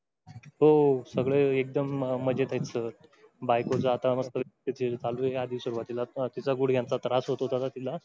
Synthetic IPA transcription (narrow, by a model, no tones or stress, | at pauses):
ɦosəɡɭeek̚d̪əmːəd͡ʑet̪ʰajt͡sə | bajkot͡saːt̪aməst̪əʋet̪it̪ʰelt͡s̪ʰaluead̪ʱiʋsuɾuʋat̪ilat̪it͡saɡuɽɡʱjãnt͡sat̪ɾasɦot̪oɦot̪at̪at̪ila